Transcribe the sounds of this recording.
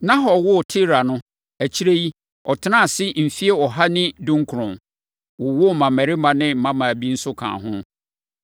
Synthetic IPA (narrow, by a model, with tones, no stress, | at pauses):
nã˦ɦɔ˨wʊ˦˨tʰɪ˦ɾa˨nʊ̃˦ | æ˨t͡ɕʰi˦ɾe˦ji˦ | ɔ˨tʰɪ˦nã˦˨sɪ˦m̩˨fi˦e˦ɔ˨ɦa˦nɪ̃˦dũ˦ŋ˦kʰʊ˨ɾʊ̃˨m | wʊ˨wʊ˦˨mã˨mæ˨ɾɪ˦mã˨nɪ̃˦m̩˦mã˦mã˨æ˨bi˦n̩˦sʊ˦kʰã̰˨ɦʊ̃˦